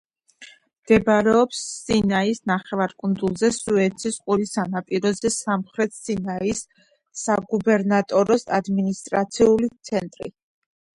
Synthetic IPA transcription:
mɡ̥ɛbɾɛɔpsːinaisnaχɛvaɾkʼund̪zulˠzɛsuɛt̪sʰisqʼuɾisanapʼiɾɔzɛsamχɾɛt̪ʰsinaisː | aɡubɛɾnat̪ʼɔɾɔsa̰d̪minist̪ʼɾat̪sʰiulit̪sʰɛnt̪ʼɾḭ

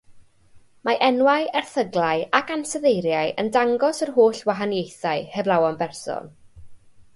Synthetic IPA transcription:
maʔɛnwaɨɛrθəɡlˠaɨakansəðejɾjaɨə̰ndaŋɡɔsərɦoːɬwaɦanjejθaɨhɛvlˠawɔnbɛrsɔ̰n

